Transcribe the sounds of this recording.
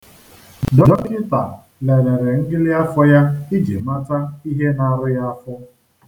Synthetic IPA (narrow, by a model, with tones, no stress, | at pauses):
dɔ˦dɔ˦kɪ˦ta̰˨ | le˨ɾe˨ɾe˨ŋ̩˦ɡɪ˦lɪ˦a˦fɔ˦ja˦i˦d͡ʒḛ˨ma˦ta˦i˦ɦe˦na˨ɾʊ˦ja˦fʊ˦